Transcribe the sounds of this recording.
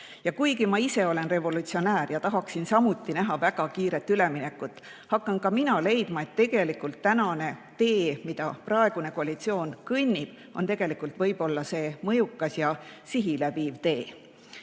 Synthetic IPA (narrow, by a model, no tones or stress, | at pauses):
jɑkujɡimɑise̞o̞le̞nre̞vo̞lut̪sio̞næːɾjɑt̪ɑɦɑksinsɑmut̪ːˑinæɦɑvæɡ̥ɑkiːɾe̞t̪ːˑyle̞mine̞kːut̪ːˑ | hɑkːˑɑnkɑminɑle̞jd̪̥mɑe̞t̪ːe̞ɡ̥e̞likult̪ːænɑne̞t̪e̞ːmid̪̥ɑprɑe̞ɡ̥une̞ko̞ɑlit̪sio̞ːnkɯnʲːib̥ | o̞nt̪e̞ɡ̥e̞likːˑult̪vɤjb̥o̞lːɑse̞ːmɤjukːˑɑsjɑsiɦilæbiːvt̪e̞ː